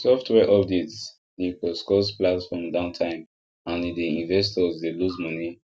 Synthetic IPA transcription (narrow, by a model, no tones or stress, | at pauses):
sɔftʰwɛʔɔb̚dits | ikɔskɔsplatfɔmdãʊ̃ntʰãɪ̃m | ãnideĩnvɛs̬tɔzdeluzmɔni